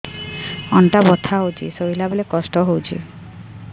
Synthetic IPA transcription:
ɔɳʈabɔt̪ʰaɦowt͡ʃʰḭsoɦilabelekɔsʈɔɦowt͡ʃʰḭ

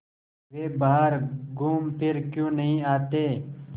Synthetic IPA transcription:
ʋeːbaɦaɾɡuːmpʰɪɾkjũːnəɦĩːaːt̪eː

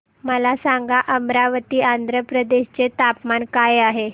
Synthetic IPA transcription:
məlasaŋɡaʔəmɾaʋət̪iːand̪ʱɾəpɾəd̪eɕt͡set̪apmankajaɦe

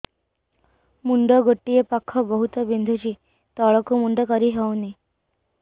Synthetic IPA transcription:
muɳɖəɡəʈːijepakʰːɔbəɦut̪əbind̪ʱut͡ɕiː | t̪ɔɭɔkumuɳɖəkəɾiɦawni

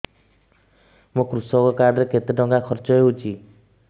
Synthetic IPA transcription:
mokɾusɔkɔkaɾɖɔɾeket̪eɖɔŋɡakʰɔɾt͡ʃɔeɦut͡ʃʰi

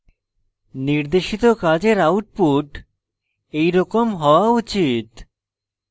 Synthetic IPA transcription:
niɾd̪eʃit̪okad͡ʑeɾawʈ̚puʈ | ejɾɔkomɦɔoaut͡ɕit̪

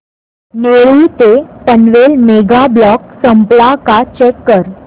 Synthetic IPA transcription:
neɭuːt̪epənʋelmeɡablɔk̚səmplakat͡ɕɛkːəɾ

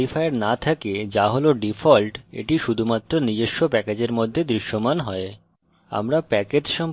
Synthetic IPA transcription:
ifaeɾnat̪ʰaked͡ʑaɦoloɖifʰɔlʈḛʈiʃud̪ʱumat̪ːɾonid͡ʑeʃːopɛked͡ʑeɾmod̪ʱːed̪ɾiʃːomanɦɔe | a̰mɾapɛked͡ʑʃɔm

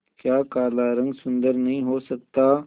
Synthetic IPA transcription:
kjaːkaːlaːɾɐ̃ŋɡsʊ̃nd̪əɾnɐɦĩɦoːsɐk̚t̪aː

